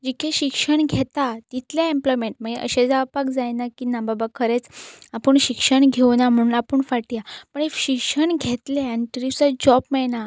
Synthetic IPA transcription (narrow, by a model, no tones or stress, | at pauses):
d͡ʑikʰeɕikʂəɳɡʱet̪at̪it̪ljaemplɔjmeɳʈməɡiʔə̰ɕed͡zaʋpakd͡zajnakinababakʰəɾet͡sapəɳɕikʂəɳɡʱewnam̤əɽ̃unapəɳfaʈjapəɳeɕikʂəɳɡʱet̪leɛɳʈɾit͡sad͡ʑɔbmɛna